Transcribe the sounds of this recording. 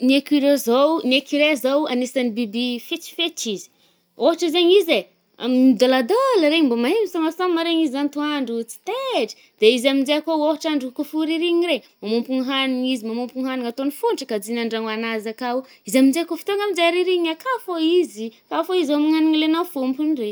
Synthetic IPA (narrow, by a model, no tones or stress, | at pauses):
nekiɾozowniekiɾezowanesanibibifet͡ʃi̥fet͡ʃizi̥ | oɦaʈ͡ʂizeɲize | a̰minid̪olad̪oləɾembomaemisamasamaɾeɲizant̪uaɳɖ͡ʐut͡si̥t̪eʈ͡ʂə̥ | d̪̥eizamind͡ʒeakooɦaʈ͡ʂaɳɖ͡ʐukufuɾiɾiɲiremamompuŋɦaniŋizimamompuŋɦaniŋat̪onifuɳʈ͡ʂəkad͡zinaɳɖ͡ʐaŋanazakau | izamind͡ʒeakofi̥t̪oŋɡamind͡ʒeaɾiɾiɲakafoizikafoizamuŋaniŋilenawfompunre